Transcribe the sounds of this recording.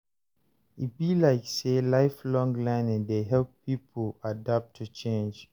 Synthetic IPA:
it̚bilaɪkselaɪflɔ̃ŋɡlãɪ̃nɛ̃ndeɦɛlpʰːipʰəladap̚tʰut͡ʃʰẽnd͡ʒ

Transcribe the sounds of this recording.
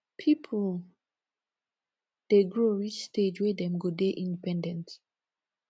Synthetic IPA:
pʰipʰl | d̥eɡɹoɹit͡ʃstʰed͡ʒwɛdɛ̃mɡodeʔĩndipɛ̃ndɛ̃nt

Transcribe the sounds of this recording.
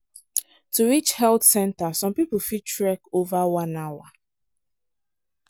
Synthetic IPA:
tuɹit͡ʃhɛltsɛ̃ntasɔ̃mpipl̩fitɹɛkovawãnawa

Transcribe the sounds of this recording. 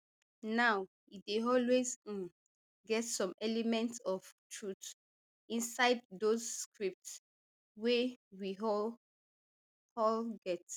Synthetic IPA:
naʊ | ideɔlwez | ɡɛtsɔ̃mɛlɛmɛ̃ntsɔftʰɹut | ĩnsaɪd̚dozskɹip̚ts | wewiɔ | hɔlɡɛt

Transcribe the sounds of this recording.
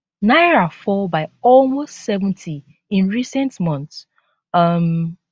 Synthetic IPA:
naɪɹafɔbaɪɔlmostsɛvə̃ntʰi | ĩnɹisɛ̃ntmɔ̃nθs | ʌm

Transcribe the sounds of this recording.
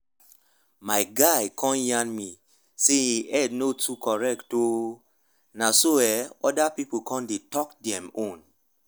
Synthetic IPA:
maɪɡaɪkʰɔ̃njãnmi | seiʔɛd̚notʰukʰɔɹɛkto | nasoɛɔdapipokʰɔ̃ndetɔk̚dɛ̃mõn

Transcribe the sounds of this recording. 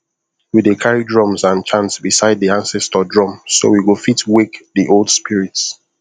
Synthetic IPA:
widekʰaɹidɹɔ̃mzãnt͡ʃʰãntsbisaɪd̚ðiãnsɛstədɹɔ̃mso̰wiwɪlˠfitwikðiʔolˠd̥spiɹits

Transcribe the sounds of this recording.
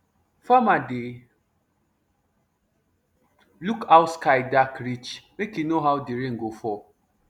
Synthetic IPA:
famadɪ | lukaʊtskaɪdakɾit͡ʃmekjunoɦaʊdeɾeŋ̩ɡofɔ

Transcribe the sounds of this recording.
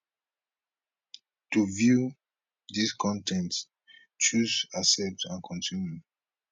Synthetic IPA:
tuvju | diskʰɔ̃ntɛ̃nt | t͡ʃuzasɛp̚tãnkʰɔ̃nsun

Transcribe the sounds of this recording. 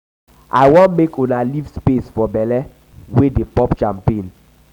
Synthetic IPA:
ʔa̰jwɔ̃nmekʰunalivspesfɔbɛlɛ | wedepɔpt͡ʃãmpẽn

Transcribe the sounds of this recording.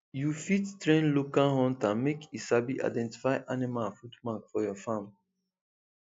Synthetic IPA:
jufittɹẽnlokalhɔ̃ntãnmekisabiʔa̰ɪdɛ̃nti̥faɪʔanimafutmakfɔjɔfãm

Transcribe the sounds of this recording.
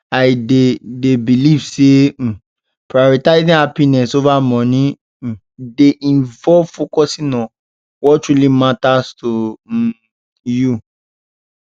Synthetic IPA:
aɪdedebilivsẽ | pɹajɔɾitaɪzĩhapinɛsovamɔ̃nĩ | deʔĩnvɔvfokɔsĩnã | wɔttɹulimatasto | ju

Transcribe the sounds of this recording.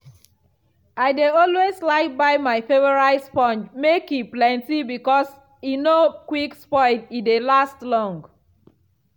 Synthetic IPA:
aɪdeɔlwezlaɪk̚baɪmaɪfevɔɹaɪspɔ̃nd͡ʒmekiplɛ̃ntibikɔs | ĩnokwikspɔ̃ɪntidelastlɔ̃ŋɡ

